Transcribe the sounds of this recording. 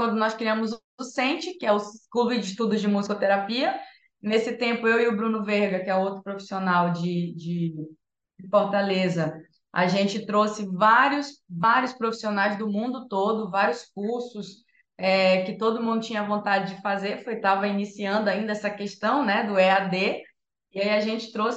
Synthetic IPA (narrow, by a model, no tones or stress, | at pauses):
wɐ̃nd̪ʊnɔskɾiɐ̃mʊz | ʊsẽt͡ʃɪkɪɛʊkubid͡ʒɪʃt̪ud̪ʊzd͡ʒɪmuzikot̪eɾapiɐ | nesɪt̪ẽmpʊewiʊbɾũnʊveɾɡɐkɪɛʊowt̪ɾʊpɾofi̥sionawd͡ʒɪd͡ʒɪ | d͡ʒɪfoɾt̪alezɐ | a̰ʒẽt͡ʃɪt̪ɾosɪvaɾjʊsvaɾjʊspɾofi̥sionajzd̪ʊmũnd̪ʊt̪od̪ʊvaɾjʊsk̚uɾsʊs | ɛkɪt̪od̪ʊmũd̪ʊt͡ʃĩɲɐvõnt̪ad͡ʒɪd͡ʒɪfazeɾfojt̪avɐinisiɐ̃nd̪ʊaĩnd̪ɐɛsɐkeʃt̪ɐ̃w̃nɛd̪ʊɛad̪e | iaiɐʒẽt͡ʃɪ̥t̪ɾos